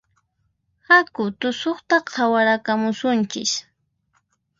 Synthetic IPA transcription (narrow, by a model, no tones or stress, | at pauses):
hakʊt̪ʊsoχt̪aqʰawaɾakamʊsʊnt͡ʃɪ̰ʃ